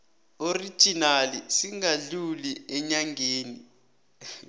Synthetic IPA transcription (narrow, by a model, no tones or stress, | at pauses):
ori̥ʒ̥ʱinalisiŋaɮuliɛɲaŋɡeːni